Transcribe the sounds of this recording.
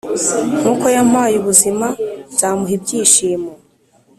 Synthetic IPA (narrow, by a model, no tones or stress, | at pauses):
m̥ukojam̥aːjuβuzimabz̥aːmuɦib̚ɟiːʃiːmo